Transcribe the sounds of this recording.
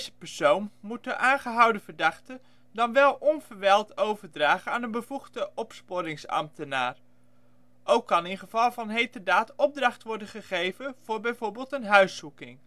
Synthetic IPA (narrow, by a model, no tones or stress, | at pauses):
zəpɛɹsownmut̚dəʔaːnχəɦɑwdəvəɹdɑχtə | dɑnʋɛlˠʔɔnv̥əɹʋɛlˠtowvəɹdraːχəaːnənbəv̥uχdəʔɔpspoɾɪŋsɑ̰mtəna̰ːr | ʔowkːɑnɪnχəv̥ɑlˠvɑnɦejtərdaːtɔb̚drɑχtʋɔɹdəχəχejvənv̥ʊːɹbɛjvoːɹbɪːlˠtənɦœɥsukɪŋ